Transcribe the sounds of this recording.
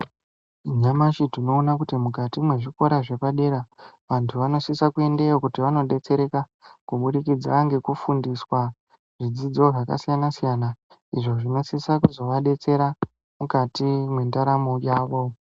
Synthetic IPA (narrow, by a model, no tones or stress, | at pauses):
ɲamaʃidino̞ːnakutimukatimwe̞ʐiko̞ɾaʐe̞paɗe̞ɾaʋantʰuʋano̞sisakue̞nde̞jokutiʋano̞ɗe̞t͡se̞ɾe̞ka | kuɓuɗikid͡zaŋɡe̞kufundiswa | ʐid͡zid͡zo̞ʐaka̰sijanasijana | iʐo̞ʐino̞sisakuzo̞ʋaɗe̞t͡se̞ɾa | mukatimwe̞ndaɾamojaːʋo̞